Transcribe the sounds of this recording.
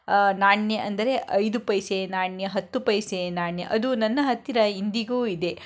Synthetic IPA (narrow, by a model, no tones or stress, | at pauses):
naːɳjɐʔɐnd̪ɐɾe̞ʔɐjd̪upɐjsenaːɳjɐɦɐt̪ːupɐjsenaːɳjɐʔɐd̪unɐnːɐɦɐt̪ːiɾɐind̪iɡuːid̪e̞